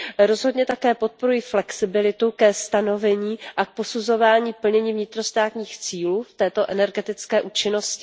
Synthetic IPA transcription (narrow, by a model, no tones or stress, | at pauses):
ɾo̞zɦodɲɛt̪akɛːpo̞t̪̚po̞ɾujiflɛksɪbɪlɪt̪ukɛst̪ano̞vɛɲiːʔak̚po̞suzo̞vaːɲiːpl̩ɲɛɲiːvɲɪt̪ɾo̞st̪aːt̪ɲiːxt͡siːluːft̪ɛːt̪o̞ʔɛnɛɾɡɛt̪ɪt͡skɛːʔuːt͡ʃɪno̞scɪ̥